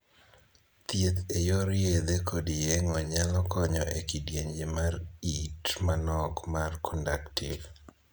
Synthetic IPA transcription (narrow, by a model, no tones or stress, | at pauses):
t̪jet̪ejoɾjed̪ekʰodijeŋɔɲalɔkɔɲɔʔekidjeɲd͡ʒemaritmanɔkmarkʰɔndaktɪv